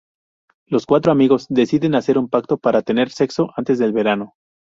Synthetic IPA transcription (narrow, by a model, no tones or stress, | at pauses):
lo̞skwat̪ɾoamiɣo̞zd̪e̞siðe̞nase̞ɾumpak̚t̪o̞paɾat̪e̞ne̞ɾse̞kso̞ʔant̪e̞zðe̞lβe̞ɾano̞